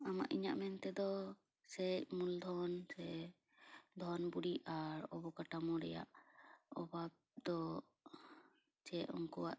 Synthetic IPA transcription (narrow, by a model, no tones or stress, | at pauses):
ama̰ʔiɲaʔmɛnt̪ɛd̪ɔ | sɛc̚muld̪ʱɔnsɛ | d̪ʱɔnbuɽiaɾɔbɔkaʈamɔɽɛ̰ja̰ʔɔbab̚d̪ɔ | t͡ʃɛɔŋkɔwa̰ʔ